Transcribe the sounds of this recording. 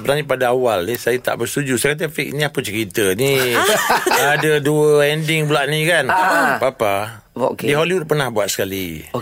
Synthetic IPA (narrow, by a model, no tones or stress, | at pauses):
bənaɲip̬adaawalnisajat̪a̰ʔbərst̪ud͡ʒusajakat̪̬əfik̚niahpənt͡ʃəɾit̪əni | adəduəɛndɪŋbulaʔ̚nikanbapa | diɦoliwʊd̚pərnahbuat̪̚sə̥kalḭ